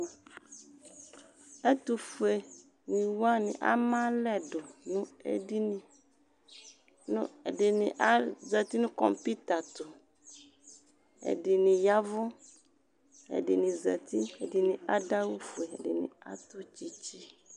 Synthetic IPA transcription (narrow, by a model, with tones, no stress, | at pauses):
ɛ˦t̪u˨fu˨e˨ | nĩ˨wa˦nɪ̰̃˨ʔa̰˦mã˦lɛ˦dʊ˨nʊ̃˦ḛ˦di˦nɪ̃˨ | nʊ̰̃˦ɛ˨dɪ˨nɪ̰̃˨ʔa˦zɛ˨t̪i˦nʊ̃˦kɔ̰˨mpi˦t̪a˨t̪ʊ˨ | ɛ̰˨dɪ˨nɪ̃˨ja˦vʊ˦ | ɛ̰˨dɪ̰˨nɪ̃˨zɛ˨t̪i˦ɛ˨dɪ˨nɪ̃˨a˦da˦wʊ˦fʊ˨e˨ɛ˨dɪ̰˨nɪ̰̃˨a̰˦t̪ʊ˦t͡ɕi˦t͡ɕi˦